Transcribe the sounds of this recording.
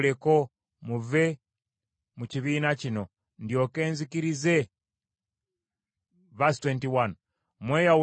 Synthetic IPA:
leko | muve | muciβiːnacino̞ | ndjo̞ke̞ːnzikiɾize | vastwentiwan | mweːjaw

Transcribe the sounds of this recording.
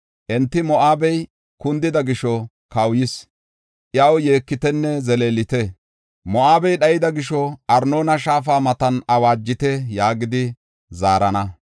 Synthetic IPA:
ʔɛnt̪ːɪmɔʔaːbɛj | kʊnd̪ɪd̪ɐɡɪʃɔ | kɐwjɪs | ʔjɐwjeːkːɪt̪ɛnːɛzɛleːlɪt̪ɛ | mɔʔaːbɛjɗɐjɪd̪ɐɡɪʃɔʔɐɾnoːnɐʃaːfaːmɐt̪ɐnɐwaːd͡ʒːɪt̪ɛjaːɡɪd̪ɪ | zaːɾɐnɐ

